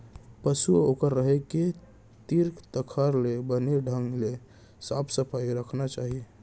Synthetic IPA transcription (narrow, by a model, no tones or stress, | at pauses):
pəsuokəɾːəɦeke | t̪iɾkt̪əkʰəɾlebəneɖʱə̃ŋɡle | sapʰsəpʰaiɾəkʰnat͡ʃaːɦie